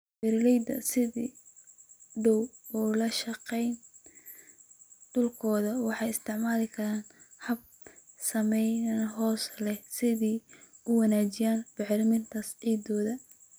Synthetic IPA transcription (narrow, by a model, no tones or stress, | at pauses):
bɪɾlɛjd̪ɐ̰sɪðiː | ɖɔwɔlɐʃɐqɛjn | ɖ̥ʊlkʰɔːðɐwɑħɑjɪst̪ʰɪʕmaːlɪkʰɐɾaːnhɐb̚ | sɐmɛjnɐnɦɔːslɛhsɪðiːʊwɑnaːt͡ʃɪjaːnbɪʕlmɪnt̪ʰɐsiːd̪ɔːðɐ